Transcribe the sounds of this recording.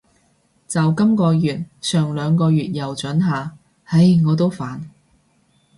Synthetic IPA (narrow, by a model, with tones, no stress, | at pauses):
t͡sɐ˨wkɐ˥mkɔː˧jyː˨t̚sœː˨˩ŋlœː˨˧ŋkɔː˧ɥyː˨t̚jɐ˨wt͡ʃɵ˨˥nɦaː˨˩ | hɐ˧jŋɔː˨˧t̪̬o˥wfaː˨n